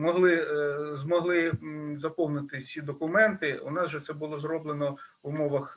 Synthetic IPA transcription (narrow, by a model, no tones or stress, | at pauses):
mɔɦlˠɪzmɔɦlˠɪzɐpɔwnɪt̪ɪsʲid̪ɔkʊmɛnt̪ɪuʊ̰nɑzʒɛt̪sɛbʊlˠɔzɾɔblˠenɔʋʊmɔʋɐx